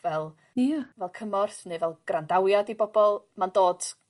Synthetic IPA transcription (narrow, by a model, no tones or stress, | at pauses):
vɛlˠ | vɛlˠkʰəmɔrθnɨːvɛlˠɡ̥randawjadibɔbɔlˠmandoːd̥